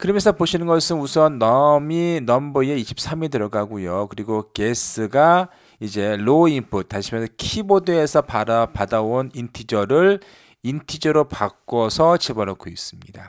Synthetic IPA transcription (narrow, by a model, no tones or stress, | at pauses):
kɯɾʌmjensʰʌpoɕʰinɯnɡʌsʰɯnusʰʌnːʌminʌmbɯieiɕʰi̥p̚s͈ʰamiɭtɯɾʌɡaɡujokɯɾiɡokes͈ʰɯɡa | id͡ʑe̞loimpʰut̚t͈ːaɕʰimjʌnsʰʌkʰibodɯe̞sʰʌpadapadaonintʰid͡ʑʌɾɯɭ | intʰid͡ʑʌɾopak͈ʌsʰʌt͡ɕebʌɾokʰois͈ɯmɲida